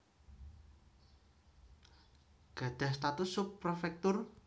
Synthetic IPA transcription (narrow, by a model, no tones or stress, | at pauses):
ɡ̥ä̤d̪̥a̤hst̪at̪ʊsːʊpːrofɛk̚t̪ʊr